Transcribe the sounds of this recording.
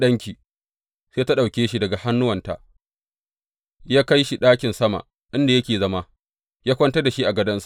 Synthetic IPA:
ɗɐ˦ŋkʲiː˨ | seː˦ta˦ɗa˨wkʲeː˦ʃi˨dɐ˨ɡa˨ha˦nːʊ˦wɐ˨nta̰˨ | jaː˦ka˦jʃi˨ɗaː˦kʲɪ˨nsɐ˦ma̰˨ | ʔɪ˦nda˨jɐ˦kʲeː˨zɐ˦ma˦ | jaː˦kʷɐ˦ntɐ˦rda˨ʃi˦ʔa˨ɡɐ˦dɐ˦nsa˦˨

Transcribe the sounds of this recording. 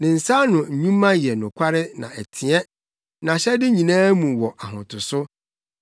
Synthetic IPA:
nɪ̃˨n̩˨sa˦nʊ̃˨ɲ̩˨ɲũ˦mːã˦jɛ˨nʊ̃˨kʷʰa˦ɾɪ˦nã̰˨æ˨tʰi˨ɛ˦ | nã˨ɕɛ˦dɪ˦ɲĩ˨nãː˦mũ˨wɔ˨ʔa˨ɦʊ̰̃˨tʰʊ˨sʊ˦

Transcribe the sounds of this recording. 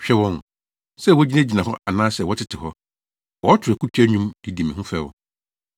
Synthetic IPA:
ɕᶣɛ˦wɔ̃˦n˨ | sɛ˦˨wɔ˦d͡ʑi˦nã˦d͡ʑi˨nã˨hɔ˦ʔa˨nãː˦sɛ˨wɔ˦tʰɪ˦tʰɪ˨hɔ˦ | wɔ˦tʰʊ˨ɛ˨kʰu˦pʰi˦æ˦ɲũ˦mdi˨di˨mḭ̃˨ʊ̃˦fɛ˦˨wɔ̰˨

